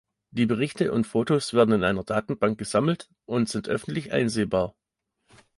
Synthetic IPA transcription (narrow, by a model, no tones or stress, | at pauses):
d̥iːbəʁ̞ɪçtəʔʊntfoːtoːsv̥eːɐdn̩ɪnʔaɪnɐdaːtn̩baŋk̚ɡ̥əzaml̩t | ʔʊntz̥ɪntʔœfn̩tlɪçʔa̰ɪnzeːbaːɐ